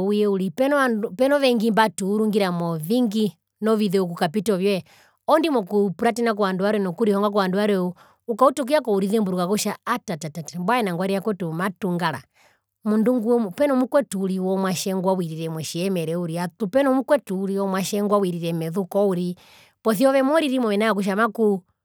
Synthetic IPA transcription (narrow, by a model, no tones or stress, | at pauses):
ujɛuɾipɛnɔaupɛnɔʋɛŋɡimbatuːɾuŋɡiɾamɔviŋɡi | nɔviðɛuk̬ukapitɔvjɛ | ɔndimɔkupuɾatinak̬uwanduwaɾɛnɔkuɾihɔŋɡak̬uwanduwaɾɛu | ukautɔk̬ijakɔuɾiðɛmbuɾukakuʃaatatatatambwaɛnaŋɡwaɾijakwɛtumatuŋɡala̰ | munduŋɡupɛnɔmukwɛtuɾiwɔmwaʃɛŋɡwawiɾiɾɛmwɛʃiɛmɛɾɛuɾiat̪upɛnɔmukwɛtuːɾiwɔmwaʃɛŋɡwawiɾiɾɛmɛðukɔuɾi | pɔθiɔʋɛmɔɾiɾimɔɛnaakuʃ̬amaku